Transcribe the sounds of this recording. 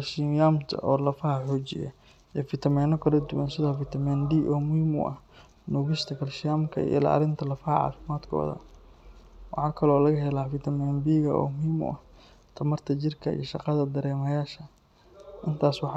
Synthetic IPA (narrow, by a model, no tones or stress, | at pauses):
kʰɐlʃɪjamt̪ʰɐ̰ʔɔːlɐfɐɦɐħɔːt͡ʃɪ̰jɐ̰ | ijɔfɪt̪ʰɐmɛːnɔkʰɐlɐd̪ʊwɐnsɪðɔːfɪt̪ʰɐmɛnd̪iːʔɔːmʊhimʊ̰ʔɐh | nuːɣɪʃt̪ʰɐkʰɐlʃɪjaːmkʰɐ̰ḭlɐ̰ɐ̰ɾɪnt̪ʰɐlɐfɐɦɐʕɑ̰ːfɪmaːd̪kʰɔ̰ːðɐ̰ | wɑħɑːkʰɐlɔːlɐɣɐɦɛlaːfɪt̪ʰɐmɛnbiːɣɐ̰ʔɔ̰ːmʊhiːmʊ̰ʔɐh | t̪ʰɐmɐrt̪ʰɐt͡ʃɪrkʰɐḭjɔʃɑqɑðɐd̪ɐɾɛːmɐjaːʃɐ | ʔɪnt̪ʰaːswɑħ